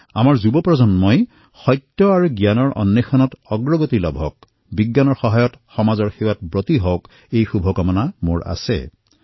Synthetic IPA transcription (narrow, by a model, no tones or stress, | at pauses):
a̰maɹzubɔpɹɔzɔnmɔj | xɔjtːjɔaɹuɡjanɔɹʔɔ̰nːexʰanɔtɔɡɹɔɡotilɔbʱɔk̚ | biɡːanɔɹxɔɦajɔtxɔmazɔɹxewatbotiɦɔwk | ejxubʱɔkɔmɔnamoɹa̰sɛ̰